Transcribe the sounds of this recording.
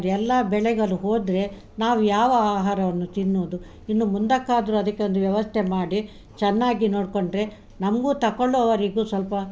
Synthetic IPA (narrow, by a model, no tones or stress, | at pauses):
ɾɛlːɐbɛɭɛɡɐɭuɦoːd̪ɾe̞ | naːʋujaːʋɐaːɦaːɾɐʋɐnːut̪inːoːd̪u | inːumund̪ɐkːaːd̪ɐɾuɐd̪ɐkːe̞o̞nd̪uʋjɐʋɐst̪ʰɛmaːɽi | t͡ʃɛnːaːɡino̞ːɖkoɳɖɾe̞ | nɐmɐɡuːt̪ɐkoɭːuɐʋɐɾiɡuːsʋɐlpɐ